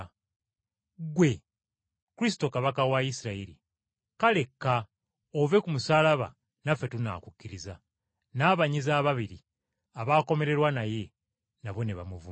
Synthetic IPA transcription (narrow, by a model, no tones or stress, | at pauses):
ɡwe̞ | kuɾis̬i̥to̞kaβakawaisiɾaiɾḭ | kale̞kːa | ove̞kumusaːlaβa̰ | nafːe̞tuna̰ːkukʲːiɾiza | naːβaɲizaːβaβiɾi | aβaːko̞me̞ɾe̞ɾwanaje̞ | naβo̞neβa̰muvu